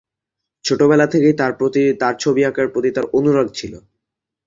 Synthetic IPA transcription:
t͡ɕʰoʈobɛlat̪ʰekej̪at̪aɾt͡ɕʰobiakaɾpɾot̪it̪aɾonuɾaɡ̚t͡ɕʰilo

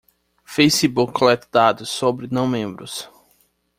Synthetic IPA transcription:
fejsibuklɛt̪d̪ad̪ʊsobɾɪnɐ̃w̃mẽmbɾʊs

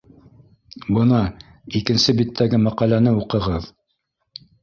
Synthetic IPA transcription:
bɤ̆nɑ | ikɘ̆nsɘbit̪ʰːæɡɘmæqɑlænɘuqɤ̆ʁɤð

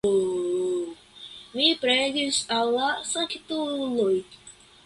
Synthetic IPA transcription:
mipɾeɡisalːasakt̪uloj

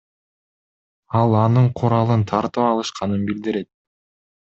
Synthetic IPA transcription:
ɑlˠɑnɯɴqʰuɾɑlˠɯnt̪ʰɑɾt̪ɯpɑlˠɯʃqɑnɯnbild̪iɾe̞t̪̚

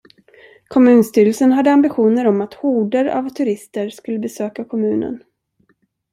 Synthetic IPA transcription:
kʰɔmʉ̟ːnst̪yːɾəlsənɦad̪ːəambɪɧuːnəɾɔmat̪huːɖəɾa̰vt̪ʰɵɾɪst̪əɾʂkɵlːəbɛsøːkakʰɔmʉ̟ːnə̰n

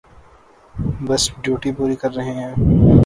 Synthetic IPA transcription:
bɐsɖjuːʈipuːɾikɐɾːɐɦẽɦɛ̃ː

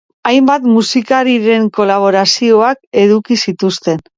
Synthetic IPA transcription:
ajmbat̪musikaɾiɾe̞ŋko̞laβ̞o̞ɾasio̞ake̞ðukisit̪ust̪e̞n

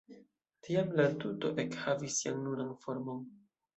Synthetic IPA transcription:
tʰiamlatuto̞ʔe̞khavisːiannunanfo̞ɾmon

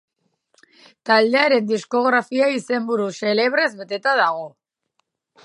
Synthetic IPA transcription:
t̪ald̪e̞aɾe̞nd̪isko̞ɣ̞ɾafiaise̞mbuɾuse̞le̞β̞ɾe̞zβe̞t̪e̞t̪að̞aɣ̞o̞

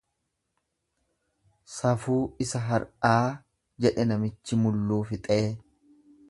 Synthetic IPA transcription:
sɐfuːɪsɐɦɐɾʔaː | d͡ʒɛᶑɛnɐmɪt͡ʃːɪmʊlːuːfɪt̪ʼeː

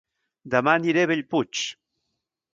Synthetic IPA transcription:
d̪amaniɾeβeʎput͡ʃ

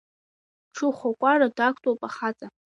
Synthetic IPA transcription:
ʈ͡ʂʰɨχʷakʷʼaradakʷʰtʼopʼaχat͡sʼa

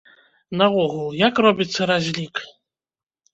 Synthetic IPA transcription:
nɐɔɣulˠjakrɔbʲit̪sːɐɾazʲlʲik

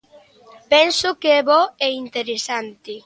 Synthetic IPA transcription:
pɛnsʊkeɛβɔɛint̪eɾesant̪ɪ

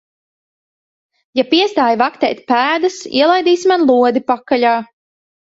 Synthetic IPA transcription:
japiɛst̪aːjvakt̪ɛ̰ːt̪̚ʲpæːd̪asḭɛlˠajd̪iːsmanlˠuɔd̪ipakaʎaː

